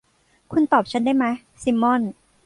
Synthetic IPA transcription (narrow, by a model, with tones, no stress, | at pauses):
kʰu˧nt̪ɔː˨˩p̚t͡ɕʰa˦˥ndaː˥˩jma˦˥j | si˧˥mːɔ˥˩˨n